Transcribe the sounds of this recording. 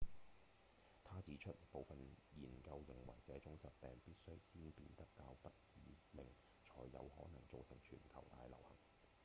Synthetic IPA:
t̪ʰaː˥t͡siː˨˥t͡ʃʰɵ˥t̚po˨˧wfɐ˨njiː˨˩nkɐ˧wjɪ˨˩ŋwɐ˨˩jt͡sɛː˨˥t͡sʊ˨˥ŋt͡sɐ˨p̚pɛː˨ŋpiː˥t̚sɵ˥ɥsiː˥npiː˧nt̪ɐ˥kːaː˧wpɐ˥t̚t͡siː˨˥mɪ˨˩ŋ | t͡ʃʰɔː˨˩jːɐ̰˨˧whɔ̰ː˨˥nɐ˨˩ŋt͡so˨˧wsɪ˨˩ŋt͡ʃʰyː˨˩nkʰɐ˨˩wt̪a̰ː˧jlɐ˨˩whɐ̰˨˩ŋ

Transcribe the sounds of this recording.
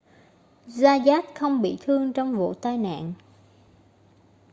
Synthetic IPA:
zaː˧zaː˦˥t̚xə˧wŋ͡mɓḭ˧˨t̪ʰɨ˧əŋt͡ɕɔ˧wŋ͡mvṵ˧˨t̪aː˧jna̰ː˧˨n

